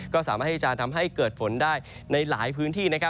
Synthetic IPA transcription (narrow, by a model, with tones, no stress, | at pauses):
kɔː˥˩saː˩˦maː˥˩i˥˩t͡ɕaː˧nt̪ʰa˧mɦa˥˩jkɤː˨˩t̪̚fo˩˦ndaː˥˩j | na˧jla̰ː˩˦jpʰɯː˦˥nt̪ʰiː˥˩na˦˥kʰa˦˥